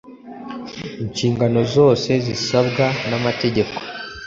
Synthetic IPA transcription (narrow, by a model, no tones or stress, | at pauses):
iɲt͡ʃiːŋɡano̞zo̞ːse̞zisabɡanamate̞ɟe̞ko̥